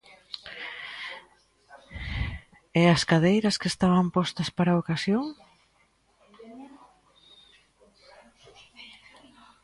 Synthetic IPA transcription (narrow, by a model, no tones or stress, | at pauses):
easkaðejɾɐskest̪aβampɔst̪ɐspaɾaokasjoŋ